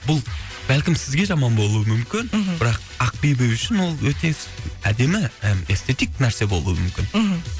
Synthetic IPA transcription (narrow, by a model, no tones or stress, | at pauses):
bʊlˠ | b̥ælkʲɪmsɪzɡʲe̞ʒɑmɑnbo̞lˠuəmʏmkʲɪnbɪɾɑq̚ | ɑq̚bijbeʏʃɪnwo̞lˠwɵt̪e̞æd̪e̞mɪe̞st̪ʰe̞t̪ijk̚næɾse̞bo̞lˠṵwəmʏmkʲɪn